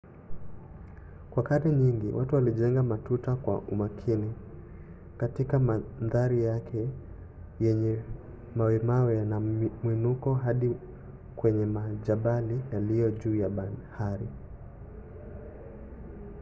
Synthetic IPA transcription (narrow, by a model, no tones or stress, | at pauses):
kwakaɗɛɲiŋɡḭwʔatuwaliʄɛŋɡamatutakwa̰ʔumakʰini | katikamanðaɾijakʰɛ | jɛɲɛ | mawɛmawɛnamwinukɔɦaɗi | kwɛɲɛmaʄaɓalijalijɔʄuːjaɓahaɾi